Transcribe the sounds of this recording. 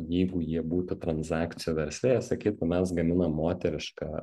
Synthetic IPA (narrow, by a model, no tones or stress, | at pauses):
jɛɪɡʊjiɛbuːt̪ʊt̪ɾɐnsɑːkt̪sʲɪjuːʋʲɛɾʲsʲʋʲeːjɛsɐkʲiːt̪ɐmʲɛsɡɐmʲɪnɐmːoːt̪ʲɛɾʲɪʃkɑː